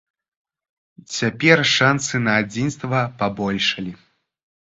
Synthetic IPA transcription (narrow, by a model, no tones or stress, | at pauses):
t͡sʲapʲɛrʂansɨnɐːd͡zʲinst̪vɐpabɔlʲʂɐlʲi